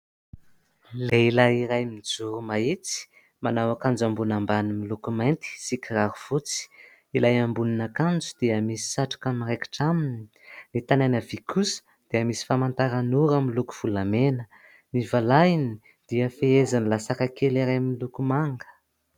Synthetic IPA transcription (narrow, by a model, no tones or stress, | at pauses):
leilajiɾajmid͡zuɾumait͡si̥ | manawakand͡ʒambunambanimilukumajnt̪i̥sikiraɾuv̥ut͡si̥ | ilajambuninakand͡zud̪̥iəmisi̥saʈ͡ʂḁkamireki̥ʈ͡ʂamini | nit̪anajnəvikʰusə̥ | d̪̥iəmisi̥famant̪aɾanuɾamilukuv̥ulamenə | nivalajini | d̪̥iəfeezanilasakakeliɾajmilukumaŋɡə̥